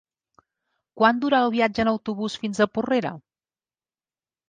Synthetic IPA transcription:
kwand̪uɾaəlˠβiad͡ʒəːnəwt̪uβusfinzəpureɾə̰

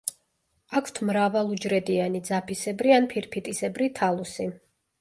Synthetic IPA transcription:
akʰt̪ʰmɾavalˠud͡ʒɾɛd̪ianid̪zapʰisɛbɾianpʰiɾpʰit̪ʼisɛbɾit̪ʰalˠusi

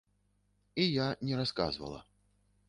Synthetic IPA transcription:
ijanʲɛɾaska̰zvɐ̰lˠɐ̰

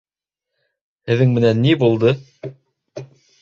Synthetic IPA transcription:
hɘ̆ðɘŋmɘ̆nænːibulˠd̪ɤ

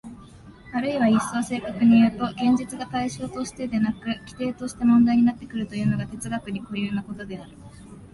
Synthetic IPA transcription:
aɾɯ̟iβaisːoβase̞ːkakɯɲ̟ijoɯt̪o̞ɡẽ̞ɲ̟d͡ʑit͡sɨɡak̪aiɕo̞ːt̪o̞ɕi̥t̪e̞d̪e̞nakɯ̟kʲi̥t̪e̞ːt̪o̞ɕi̥t̪e̞mõ̞nd̪aiɲ̟inat̪ːe̞kɯ̟ɾɯ̟t̪o̞jɯ̟ːno̞ɡat̪e̞t͡sɨɡakɯ̟ɲ̟iko̞ɾjɯ̟ːnako̞t̪o̞d̪e̞aɾɯ̟

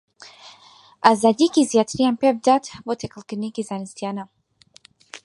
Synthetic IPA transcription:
azadikiziat̪ɾiampɛb̚datvɔtɛkəlkinikizanist̪iana

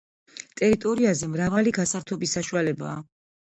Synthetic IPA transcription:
t̪ʼɛɾit̪ʼɔɾiazɛmɾavaliɡasaɾt̪ʰɔbisːaʃualɛba̰ː

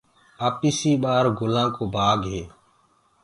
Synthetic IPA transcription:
aːpiːsiːɓaːɾɡʊlãːkoːbʱaːɡɦeː

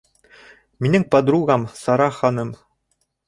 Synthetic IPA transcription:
minɘŋpɑd̪ɾuɣɑmsɑɾɑχɑnɤm

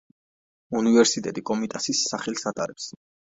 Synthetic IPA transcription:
univɛɾsit̪ʼɛt̪ʼikʼɔmit̪ʼasisːaχɛlˠsat̪ʼaɾɛps

